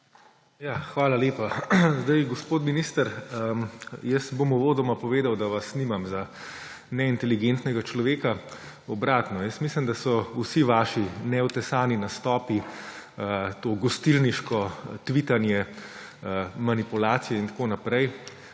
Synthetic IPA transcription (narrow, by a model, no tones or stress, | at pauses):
jaːxʋaːlaleːpazd̪ajɡɔspoːt̪minist̪əɾəjəst̪bomuʋoːd̪ɔmapɔʋeːd̪awd̪aʋasːnimamza | nɛint̪ɛliɡent̪nɛɡat͡ʃlɔʋeːka | ɔbɾaːt̪nɔjəst̪mislimd̪asɔusiʋaːʃinɛɔt̪ɛsaːninast̪ɔːpi | ət̪oːɡɔst̪ilniʃkɔt̪ʋit̪anjɛ | manipulaːt̪sijɛint̪ḁkoːnapɾɛj